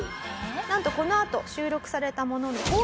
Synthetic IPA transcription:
nãnt̪o̞ko̞no̞at̪o̞ɕɨːɾo̞kɯ̟̥saɾe̞t̪amo̞no̞noko

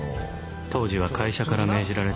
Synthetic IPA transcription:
t̪o̞ːʑiβakʰaiɕakaɾame̞ːʑiɾaɾe̞

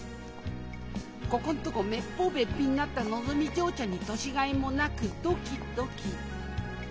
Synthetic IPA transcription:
kokont̪okomepːobepinːat̪anozomid͡ʒoːt͡ɕaɲit̪oɕiɡaimonakɯt̪okit̪okʰi

